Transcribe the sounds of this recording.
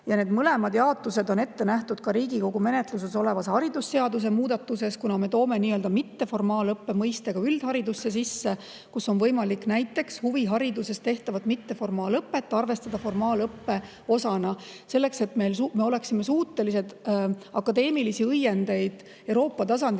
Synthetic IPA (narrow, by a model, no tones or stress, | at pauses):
jɑne̞ːd̪̥mɤle̞mɑd̪jɑot̪luse̞d̪o̞ne̞t̪ːe̞næht̪ud̪̥kɑɾiːɡiko̞ɡ̥ume̞net̪lus̬e̞so̞le̞vɑshɑɾid̪̥usːeɑd̪us̬e̞muːd̪ɑt̪ːuse̞skunɑme̞t̪o̞ːme̞niːøld̪ɑmit̪ːe̞fo̞rmɑːlɤpːe̞mɤjst̪eɡ̥ɑyld̪̥hɑɾid̪usːe̞s̬isːe̞ | kusːo̞nvɤjmɑlikːnæjt̪ːˑe̞kshuviɦɑɾid̪use̞st̪e̞ht̪ɑvɑt̪mit̪ːe̞fo̞rmɑːlɤpːe̞t̪ːˑɑrve̞st̪ɑd̪̥ɑfo̞rmɑːlɤpːe̞ | o̞sɑnɑ | se̞lːe̞kse̞t̪me̞jlsume̞ole̞ksime̞suːt̪ːˑe̞lise̞d̪̥ɑkːˑɑd̪e̞ːmilisiɯjːe̞nd̪e̞jd̪̥ | ewɾo̞ːpˑːɑt̪ɑs̬ɑnd̪